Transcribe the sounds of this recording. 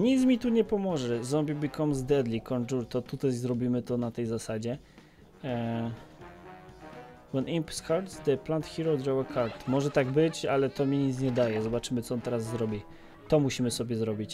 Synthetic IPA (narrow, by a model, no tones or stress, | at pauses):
ɲit̪s̬mʲit̪uɲɛpɔmɔʐɛzɔmbʲibʲikɔmzd̪ɛd̪lʲikʰɔnd͡ʐuɾt̪ɔt̪ut̪ɛʐzɾɔbʲimɘt̪ɔnat̪ɛjzasad͡ʑɛ | wɛnimpskaɾt̪zd̪ɛplant̪xʲiɾɔd̪ɾawɛkʰaɾt̪mɔʐɛt̪aɡbɘt͡ɕalɛt̪ɔmʲiɲit̪s̬ɲɛd̪ajɛzɔbat͡ʂɘmɘt̪sɔɔnt̪ɛɾazːɾɔbʲi | t̪ɔmuɕimɘsɔbʲjɛzɾɔbʲit͡ɕ